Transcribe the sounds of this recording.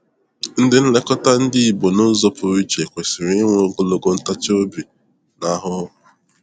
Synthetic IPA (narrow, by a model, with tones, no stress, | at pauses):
n̩˦dɪ˦n̩˦le˦kɔ˦ta˦n̩˦dɪ˦i˨bo˨no˦zɔ˦pʊ˨ɾi˦t͡ʃe˨kʷe˨sɪ˨ɾɪ˦ŋʷe˦ŋ̩˦ɡʊ˦lo˦ɡo˦n̩˦ta˦t͡ʃo˦bi˨ | na˨˦ɦʊ˦˨